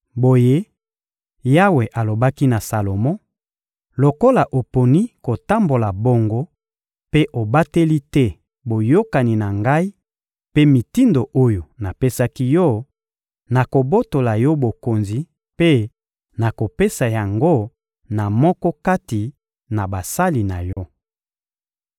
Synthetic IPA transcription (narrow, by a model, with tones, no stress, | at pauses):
bo˨je˦ | ja˦we˨ʔa˨lo˨ba˦ki˦na˨sa˨lo˨mɔ̃˦ | lo˨ko˦la˨ʔo˨po˨ni˦ko˨ta˦mbo˨la˨bo˨ŋɡo˦ | pe˦ʔo˨ba˦te˦li˦tɛ˦ | bo˨jo˦ka˨ni˨na˨ŋɡa˦i˦ | pe˦mi˨ti˦ndo˨ʔo˦jo˨na˨pe˦sa˦ki˦jɔ˦ | na˨ko˨bo˦to˨la˨jɔ˦bo˨ko˨nzi˨ | pe˦ | na˨ko˨pe˦sa˨ja˨ŋɡo˦ | na˨mɔ˦kɔ˦ka˦ti˨ | na˨ba˨sa˦li˨na˨jɔ˦